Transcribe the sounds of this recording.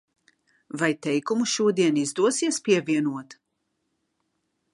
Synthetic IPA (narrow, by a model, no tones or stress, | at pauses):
vajt̪ɛjkumuʃuɔd̪iɛnizd̪uɔsiɛspiɛviɛnuɔt̪